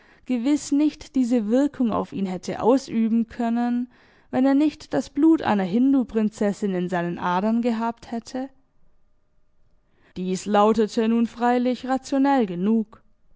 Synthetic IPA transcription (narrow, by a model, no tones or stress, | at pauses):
ɡ̥əvɪsnɪçtd̥iːzəvɪɐkʰʊŋa̰ʊfḭːnɦɛtʰə̰ʔa̰ʊsʔyːbm̩kʰœnən | vɛneːɐnɪçtd̥asb̥luːtʔa̰ɪnɐɦɪndupʁ̥ɪnt͡sɛsɪnɪnzaɪnənʔaɐdɐnɡəɦaːpthɛtʰə | d̥iːslaʊtətʰənuːnfʁ̥aɪlɪçʁat͡sjonɛlɡənuːk